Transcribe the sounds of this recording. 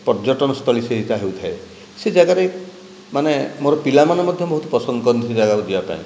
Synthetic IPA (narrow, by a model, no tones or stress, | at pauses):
pɔɾd͡ʒɔʈɔnɔst̪ʰɔliseɦit͡ʃaɦiwt̪ʰae | sed͡ʒaɡaɾe | manemoɾɔpilamanɔmɔd̪ʱjɔbɔɦut̪ɔpɔsɔnd̪ɔkɔɾɔnt̪ʰid͡ʒaɡakud͡ʒibapã̰ḭ̃